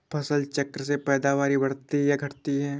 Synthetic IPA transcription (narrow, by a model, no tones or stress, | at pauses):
pʰɐsəlt͡ʃɐkɾəsepɛːd̪aʋaːɾibɐɽt̪ijaɡʱɐʈt̪iɦɛː